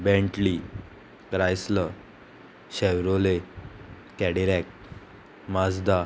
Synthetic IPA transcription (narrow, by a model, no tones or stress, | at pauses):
bɛ̃ɳʈli | kɾajslə | ɕɛwɾole | kɛɽiɾɛk | mad͡zd̪a